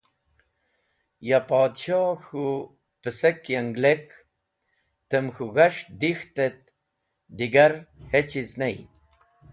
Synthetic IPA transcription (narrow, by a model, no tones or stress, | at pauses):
japaːd̪ɕoxu | pəsekjaŋɡlek | t̪əmxuɣaʂd̪ixt̪et̪̚ | d̪iɡaɾhet͡ɕiznaj